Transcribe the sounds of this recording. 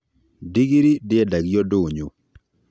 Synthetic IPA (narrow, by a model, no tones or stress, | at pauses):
diɡiɾidɪɛdaɡjodʊɲu